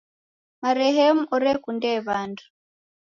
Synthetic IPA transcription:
maɾɛɦɛmuɔɾɛkundɛβandu̥

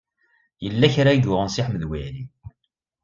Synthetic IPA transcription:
jəlːæçɾæjɡʊʁənsiħmːəðwæli

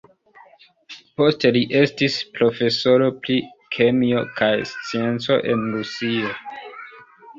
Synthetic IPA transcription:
po̞ste̞liʔe̞stispɾo̞fe̞so̞ɾo̞pli | kʰe̞mio̞kʰajst͡sie̞nt͡so̞̰ʔe̞nɾusio̞

